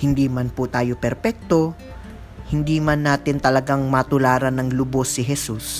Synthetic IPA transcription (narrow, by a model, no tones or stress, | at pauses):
hɪnd̪iːmɐnpʊt̪aːjo̞pɛɾpɛk̚t̪o̞ | hɪnd̪iːmɐnːaːt̪ɪnt̪ɐlɐɡaŋmɐt̪ʊlaːɾɐnɐŋlʊbo̞sːɪɦɛsus